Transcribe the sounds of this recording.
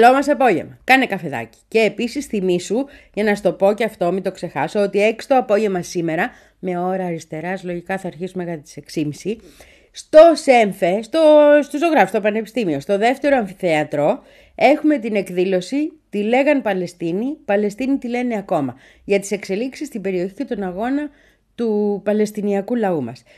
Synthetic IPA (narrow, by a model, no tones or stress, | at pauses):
lo̞mɐseɐpo̞ʝe̞̰mɐkɐne̞kɐfe̞ðɐ̰ci̥ce̞ːpisisθimisuʝɐnɐst̪o̞po̞ceɐft̪omit̪o̞kse̞xɐsoot̪ie̞ki̥st̪oɐpo̞ʝemɐsime̞ɾɐ | me̞o̞ɾɐːɾist̪e̞ɾɐslo̞ʝikɐθɐːɾçisumekɐt̪et̪i̥se̞ksimisi | st̪o̞se̞ɱfe̞st̪o̞st̪ozo̞ɣɾɐfst̪opɐne̞pi̥st̪imio̞st̪o̞ðe̞ft̪e̞ɾoɐɱfiθe̞ɐt̪ɾo̞ | e̞xume̞t̪ine̞kðilo̞sit̪ile̞ɣɐnpɐle̞st̪inipɐle̞st̪init̪ile̞ne̞ɐko̞mɐ | ʝɐt̪i̥se̞kse̞liksist̪ibe̞ɾio̞çice̞t̪o̞nɐɣo̞nɐ | t̪upɐle̞st̪iniɐkulɐumɐ̰s